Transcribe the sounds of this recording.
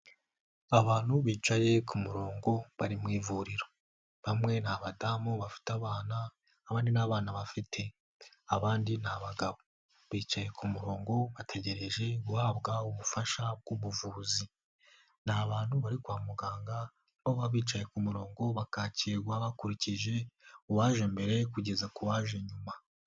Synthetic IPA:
aβaːn̥huβiːt͡ʃaje̞kʰumuɾo̞ːŋɡo̞βaɾimŋiːvuɾiɾo̞ | βamŋe̞naβadamuβafi̥taβaːnaː | βaːndinaβaːnaβafitʰe̞ | aβaːndinaβaɡaβo̞ | βiːt͡ʃaje̞kʰumuɾo̞ːŋɡo̞βatʰe̞ɟe̞ɾe̞ʒe̞ɡuhaːβɡauβufaʃab̚ɡ̥uβuvuːzi | naβaːn̥huβaɾikwaːmuɡaːŋɡa | oβaβiːt͡ʃaje̞kumuɾo̞ːŋɡo̞βakaciɾɡwaβakuɾiciʒe̞kuwaːʒe̞mbe̞ɾe̞kuɟe̞zakuwaːʒe̞ɲuma

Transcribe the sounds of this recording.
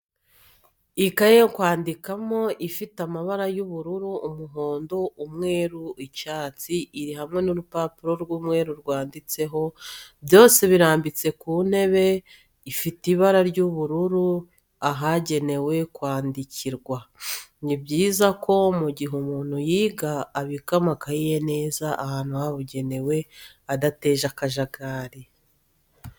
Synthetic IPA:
ikajeŋkwaːndikamo̞ʔifitamaβaɾajuβuɾuɾuːmuɦo̞ːndoumŋe̞ːɾuicaːt͡siʔiɾihamŋe̞nuɾupapuɾo̞ɾɡwuːmŋe̞ːɾuɾɡwaːndit͡se̞ɦo̞bjo̞ːse̞βiɾaːmbit͡se̞kuːn̥e̞βe̞ | ifitiβaɾaɾɟuβuɾuɾu | aɦaɟe̞ne̞we̞kwaːndicʰiɾɡwanibɟiːzakʰo̞muɟiɦumuːn̥hujiːɡaːβikamakajijene̞ːzaʔahaːn̥uhaβuɟe̞ne̞we̞ | adate̞ːʒakaʒaɡaːɾi

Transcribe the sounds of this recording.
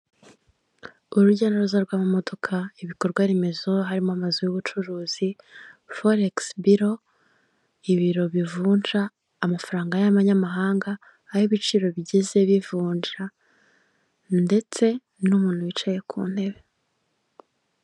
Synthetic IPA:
uɾuɾɟanaɾuzaɾɡwaːmamo̞do̞kʰaiβiko̞ɾɡwaɾeme̞zo̞ɦaɾimoamazujuβut͡ʃuɾuːz̥i | foɾeksbiɾo̞ | iβiɾo̞βivuːnʒaː | mafaɾaːŋɡajaβaɲamaɦaːŋɡaː | hoβit͡ʃiːɾo̞βiɟeze̞βivuːɲʒɾa | nde̞t͡se̞ | numuːn̥huit͡ʃaje̞kʰṵːn̥he̞βe̞

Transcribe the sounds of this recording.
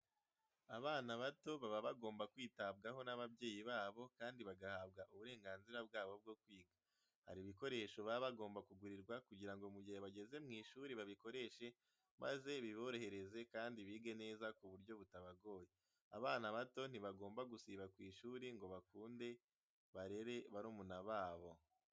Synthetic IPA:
aβaːnaβato̞βaβaβaɡo̞ːmbakwiːtab̚ɡaɦo̞naβabje̞ːjiβaːβo̞kaːndiβaɡahaːbɡaʔuβuɾe̞ːŋɡaːnziɾabɡaːβo̞b̚ɡo̞kwiːɡa | ha̰ɾiβiko̞ɾe̞ʃo̞βaβaɡo̞ːmbakuɡuɾiɾɡwakuɟiɾaŋɡo̞muɟiheβaɡe̞ze̞mŋiːʃuɾiβaβiko̞ɾe̞ʃe̞ | mʔa̰ze̞βiβo̞ɾo̞he̞ɾe̞ze̞kaːndiβiːɡe̞ne̞ːzakuβuɾɟo̞βutaβaɡo̞ːje | a̰βaːnaβato̞n̥iβaɡo̞ːmbaɡusiβakwiːʃuɾiŋɡo̞βakuːnde̞ | βaɾe̞ɾe̞βaɾoːmunaβaːβo̞

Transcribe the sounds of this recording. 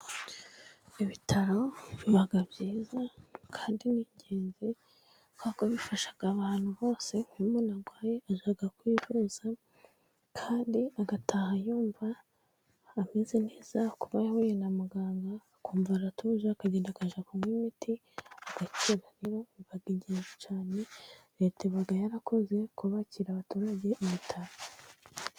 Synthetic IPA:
iβitʰaɾoβaɡabɟiːzakʰaːndiniɲɟe̞ːnzi | kakoβifaʃḁɡ̥aβaːn̥huβo̞ːse̞ŋwimunaɡwaːjeaʒaɡakwiːvuz̥a | kʰaːndiaɡatʰahajuːɱvaː | mezene̞ːz̥akuβajahojenamuɡaːŋɡa | kuːɱvaɾatʰuːʒakaɟeːndakaʒakumwiːmiti | aɡ̥aceɾaɾeɾo̞βaɡiɟeːnzet͡ʃaːne̞ɾetiβaɡajaɾakʰo̞ze̞kuβaciɾaβatuːɾaɟe̞ʔimitʰaɾo

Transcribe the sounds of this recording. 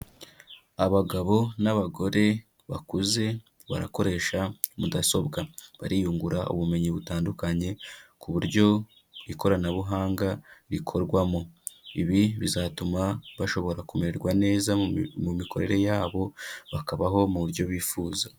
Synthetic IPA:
aβaɡaβo̞naβaɡo̞ɾe̞ | βakuze̞ | βa̰ɾa̰ko̞ɾe̞ːʃamudaso̞bɡaβaɾijuːŋɡuɾaṵβume̞ɲiβutaːndukaɲe̞kuβuɾɟo̞ | ɾiko̞ɾanaβuɦaːŋɡaɾikʰo̞ɾɡwamo̞iβiβizaːtumaβaʃo̞βo̞ɾakumeɾeɾɡwane̞ːzamumiko̞ɾe̞ɾe̞jaːβo̞βakaβaɦo̞muuɾjo̞βiːfuːza

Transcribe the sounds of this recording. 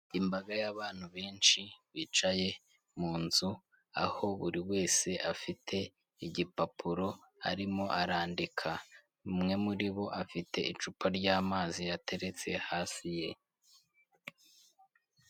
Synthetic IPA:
imbaɡajaβaːn̥huβe̞ːnʃiβiːt͡ʃaje̞ | muːnzu | a̰ho̞βuɾiwe̞ːse̞ʔafitʰe̞ | iɟipapʰuɾo̞a̰ɾimo̞ʔaɾaːndikʰa | mŋe̞muɾiβo̞ʔafitʰe̞̰it͡ʃupaɾɟaːmaːzijatʰe̞ɾe̞t͡se̞haːsije̞

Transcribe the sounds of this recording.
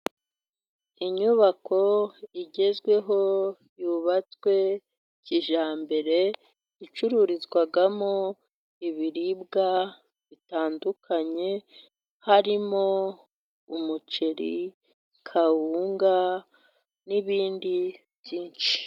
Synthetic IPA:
iɲuβako̞iɟe̞zɡwe̞ɦo̞ | juːβat͡skwe̞ | ciʒaːmbe̞ɾe̞ | it͡ʃuɾuɾizɡwaɡamo | iβiɾib̚ɡa | βitaːndukaɲe̞ | haɾimo | umut͡ʃeɾḭ | kʰahuːŋɡa | niβiːndi | bjiːnt͡ʃi̥

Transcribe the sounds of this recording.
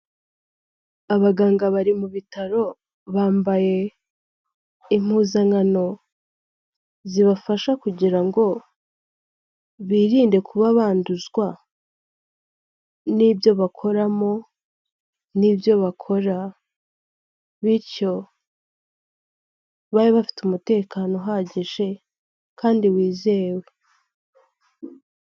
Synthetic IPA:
aβaɡaːŋɡaβaɾimuβitaɾo̞ | βaːmbaje̞ | im̥huːzaŋano̞ | ziβafaʃakuɟiɾaŋɡo̞ | βiːɾiːnde̞kʰuβaβaːnduzɡwa | nibjo̞βakʰo̞ɾamo̞ | nibjo̞βakʰo̞ɾa | βiɾco̞ | βaɾiβafi̥tumute̞ːkaːno̞ɦaɟeʒe̞ | kaːndiwiːze̞ːwe

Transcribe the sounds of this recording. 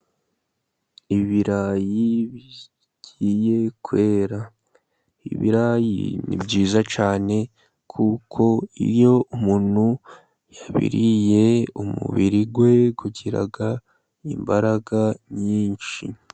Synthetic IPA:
iβiɾajiβi | ɟije̞kwe̞ːɾa | ḭβḭɾaːjḭnḭbɟiːzat͡ʃaːne̞ | kʰukʰo̞ḭɾjo̞ʔumuːn̥hu | jaβḭɾije̞umṵβiɾiɡwe̞ɡuɟiɾa̰ɡa | imbaɾaɡaɲiːnʃi

